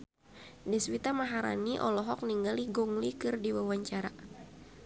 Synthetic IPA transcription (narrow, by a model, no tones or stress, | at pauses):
dɛswit̪amaɦaɾa̰niʔɔlɔɦɔk̚niŋɡaliɡɔŋlikɨrdiwawaɲt͡ʃaɾa